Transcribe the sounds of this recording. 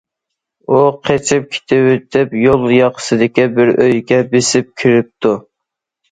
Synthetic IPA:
uqʰet͡ʃʰɪp̚kʲʰi̥t̪ʰɪwɪt̪ʰɪpjolˠjɑqʰə̥sɨd̪ɪkʲibɪɾøjɡʲɛbɪsɪp̚kʲʰiɾɪp̚t̪ʰu

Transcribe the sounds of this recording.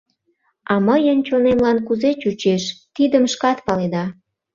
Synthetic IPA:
ɑməjənt͡ɕonemlɑnkuzet͡ɕut͡ɕeʃt̪id̪əmʃkɑt̪pɑled̪ɑ

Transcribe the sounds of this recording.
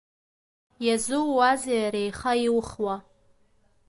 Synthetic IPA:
jazuwːazajaɾejχaiwχwa

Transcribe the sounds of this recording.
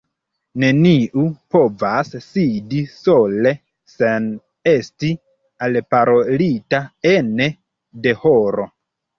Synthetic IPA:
ne̞niʔupo̞vasːidiso̞le̞ | sen | e̞sti | alpaɾo̞litaene | de̞hoɾo̞

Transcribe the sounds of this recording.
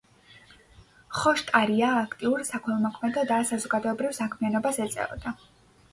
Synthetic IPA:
χɔʃt̪ʼaɾiaːkʰt̪ʼiuɾsakʰɛlˠmɔkʰmɛd̪ɔd̪asazɔɡad̪ɔɛbɾivsakʰmianɔbasɛt̪sʼɛ̰ɔ̰d̪a

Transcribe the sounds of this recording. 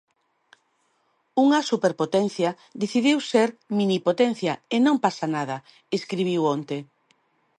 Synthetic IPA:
uŋɐsupeɾpot̪ɛnθjɐ | d̪eθiðiwseɾminipot̪ɛn̟θjɐenõmpasanaðɐ | eskɾiβ̞iwont̪e

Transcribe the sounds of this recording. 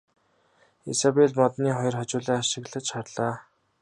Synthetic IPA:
isapeɮmɔt̪niːχɔjɞ̆rχɔt͡ɕʊːɮaːaʃɪ̆ɣɮə̆t͡ɕʃarɮaː

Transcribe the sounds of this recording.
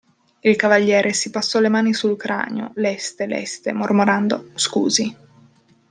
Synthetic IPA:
ilkavaʎːjɛːɾʔesipasːɔlemaːnisulkɾa̰ːnjo̰lɛst̪elɛ̰st̪emormoɾand̪oskṵːzi

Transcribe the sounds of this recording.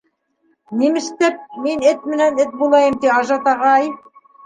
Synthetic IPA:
nimɘ̆ʃt̪æp̚minɘt̪̚mɘ̆nænɘt̪̚bulˠɑjɤmt̪iɑʒɑt̪ɑʁɑj

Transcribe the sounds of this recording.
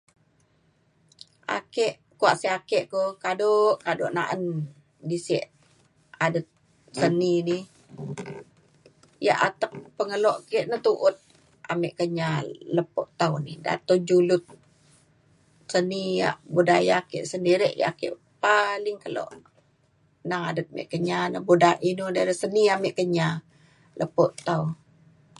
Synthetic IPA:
ʔa̰kɛʔ | kuaʔsiakɛʔkokadoʔkado̰ʔna̰ʔən | disɛ̰ʔ | adət̪̚ | sənini | ja̰ʔat̪əp̚pəŋəlɔʔkɛʔnət̪uʔʊt̪̚ | ʔa̰mɛʔkəɲaləpo̰ʔt̪aunida̰t̪od͡ʒulʊt̪̚ | sənija̰ʔbudajakḛʔsəndiɾəʔja̰kḛʔ | palɪŋkəlo̰ʔ | naadət̪̚mɛ̰ʔkəɲanəbudaʔinudaɾəsəniameʔkəɲa | lʔəpoʔt̪au

